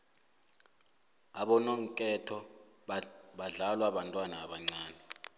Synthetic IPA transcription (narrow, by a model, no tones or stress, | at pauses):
aɓɔnoŋ̩kʼɛtʰɔ | ɓaɮalwaɓantʼwanaːɓaŋ͡ǀaːnɛ